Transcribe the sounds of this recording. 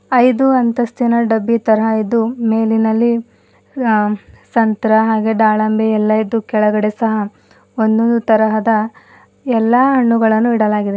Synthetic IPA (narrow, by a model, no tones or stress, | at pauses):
ɐjd̪uɐnt̪ɐst̪ʰinɐɖɐbːit̪ɐɾɐɦɐid̪umeːlinɐlːi | sɐnt̪ɐɾɐɦaːɡe̞ɖaːɭɐmbʱeɛlːɐid̪ːukɛɭɐɡɐɽe̞sɐɦɐ | ond̪ond̪ut̪ɐɾɐɦɐd̪ɐ | ɛlːaːɦɐɳːuɡɐɭɐnːuiɽɐlaːɡid̪e